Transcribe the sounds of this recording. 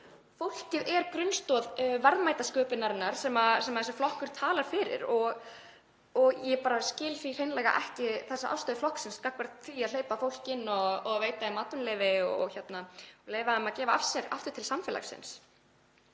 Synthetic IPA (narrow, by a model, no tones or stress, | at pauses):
fowl̥cɪðɛɾkɾʏnst̪ɔːðvɛɾðmaːjt̪askœːpɪnaɾɪnːaɾ̥sɛːmasɛmaðɛs̬ʏflɔhkʏɾ̥t̪ʰaːlaɾ̥fɪːɾɪ̰ɾɔɣ | ɔɣjɛpaːɾascɪːlθɾir̥ejnlɛːɣa̰ʔɛhcɪθasːaʔa̰wst̪œːðʏflɔhksɪnskakvaɾt̪θiaðleːjpafowl̥cɪnːɔːveːjt̪aɪmaːt̪ʏnlɛːvɪɔɣçɛt̪naleːjvaðamaðcɛːvaafsɛɣa̰ft̪ʏɾ̥t̪ʰɪlsamfɪla̰sɪ̰ns